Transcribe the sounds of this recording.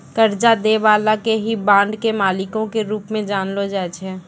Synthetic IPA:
kəɾd͡ʒad̪eʋaːlakeɦibãːɳɖkemaːlɪkõkeɾuːpmẽd͡ʒaːnlod͡ʒɛːt͡ʃʰɛː

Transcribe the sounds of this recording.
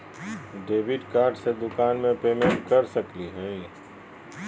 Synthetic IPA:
ɖeːʋɪɖkaːɾɖsed̪ʊkaːnmẽpeːmẽɳʈ̚kɐɾsɐkliɦɛː

